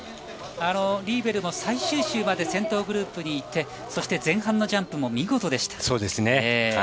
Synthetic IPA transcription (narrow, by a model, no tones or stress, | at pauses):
ano̞ɾʲiːbe̞ɾɯ̟mo̞saiɕɨːɕɨːmad̪e̞sẽ̞nt̪o̞ːɡɯ̟ɾɯːpɯ̟ɲ̟iːt̪ʰːe̞ | so̞ɕi̥t̪e̞zẽ̞ɰ̃hãnːo̞ʑãmpɯ̟mo̞mʲiɡo̞t̪o̞d̪e̞ɕi̥t̪ḁso̞ːd̪esɨnee